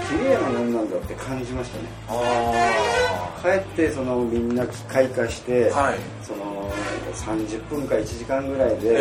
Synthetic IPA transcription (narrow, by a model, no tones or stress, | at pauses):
kʲiɾʲe̞ːnamõnːãnd̪at̪ːe̞kʰãɲd͡ʑimaɕi̥t̪a̰ne̞̰ | kae̞t̪ːe̞so̞no̞mʲĩnːakʲi̥kaikaɕi̥t̪e̞ai | so̞no̞nã̰ŋkasãɲd͡ʑɨpːɯ̟̃ŋkaɾit͡ɕiʑikãŋɡɯ̟ɾaid̪e̞